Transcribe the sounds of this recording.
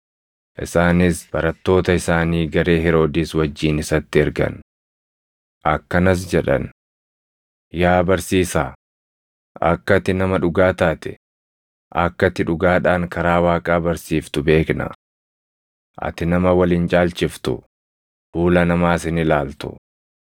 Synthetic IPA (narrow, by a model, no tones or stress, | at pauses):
ʔɪ̰saːnɪsb̥ɐɾɐt̪ːo̞ːt̪ɐɪsaːniːɡɐɾe̞ːɦɪɾo̞ːd̪iːswɐd͡ʒːiːnɪsɐt̪ːɪɛɾɡɐ̰n | ʔɐkːɐnɐs̬d͡ʒɛᶑɐ̰n | jaːbɐɾsiːsaː | ɐkːɐt̪ɪnɐmɐᶑʊɡaːt̪aːt̪ɛ̥ | ʔɐkːɐt̪ːɪᶑʊɡaːᶑaːŋkɐɾaːwaːkʼaːbɐɾsiːft̪ʊbe̞ːknɐ̰ | ʔɐ̰t̪ɪnɐmɐwɐliːnt͡ʃʼaːlt͡ʃɪft̪ʊ̰ | fuːlɐnɐmaːsɪnɪlaːlt̪ʊ̰